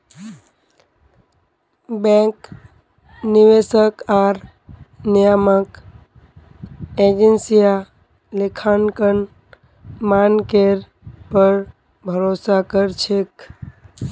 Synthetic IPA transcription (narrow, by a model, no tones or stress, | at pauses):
bẽk | niʋesəkaɾ | nijamək | ed͡ʒensija | lekʰankən | mankeɾ | pəɾ | bʱəɾosakəɾt͡ʃʰek